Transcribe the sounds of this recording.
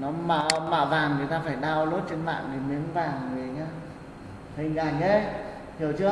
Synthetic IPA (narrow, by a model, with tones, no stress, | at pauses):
nɔ˨˦ma̰˧˨ma̰ː˧˨vaː˨˩ŋŋɨ˨˩əjt̪aː˧faː˧˩jɗaː˧wlo˦˥t̚t͡ɕe˧nma̰ː˧˨ŋɗi˨˩mi˨˦ənvaː˨˩ŋmɨ˨˩ə˨˩ɲaː˧ | t̪ʰi˨˧˩ŋzaː˧˩ɲe˧˥ | t̪ʰi˨˩əwt͡ɕɨ˧ə